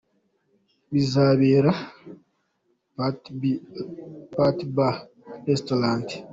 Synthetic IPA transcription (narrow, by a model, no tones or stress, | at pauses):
βizaːβeːɾa | patiba | estolaːnti̥